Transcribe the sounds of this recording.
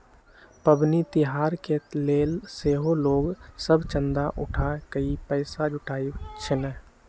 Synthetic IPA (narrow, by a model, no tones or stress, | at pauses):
pəbnit̪ɪɦaːɾkeleːlseːɦoloːɡsəbʱt͡ʃə̃nd̪aʔʊʈʰakəipəɪsad͡ʒʊʈʰaːit͡ʃʰenə